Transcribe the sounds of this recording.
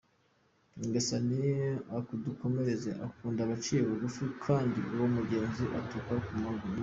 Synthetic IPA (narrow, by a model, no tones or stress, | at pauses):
ŋɡesanijeakuduko̞me̞ɾe̞zeʔakuːndaβat͡ʃiːjeβuɡufikʰaːndḭʔuwomuɟe̞ːnziʔatukakumaɡu